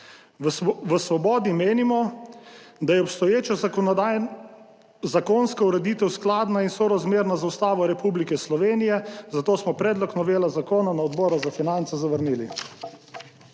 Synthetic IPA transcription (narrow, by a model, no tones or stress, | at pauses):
ʋəsʋɔbɔːd̪imeːnimɔ | d̪ajɛɔpst̪ɔjeːt͡ʃɔ | zakoːnskauɾɛd̪iːt̪ɛwsklaːd̪nainsɔɾazmeːɾnazaust̪aːʋɔɾɛpublikɛslɔʋeːnijɛzat̪oːsmɔpɾɛːd̪lɔknɔʋeːlazakoːnanaɔd̪bɔːɾazafinant̪sɛzaʋəɾniːli